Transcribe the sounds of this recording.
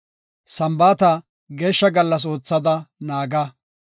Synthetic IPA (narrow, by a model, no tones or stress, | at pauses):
sɐmbaːt̪ɐ | ɡe̞ːʃːɐɡɐlːɐs̬o̞ːt͡sːɐd̪ɐnaːɡɐ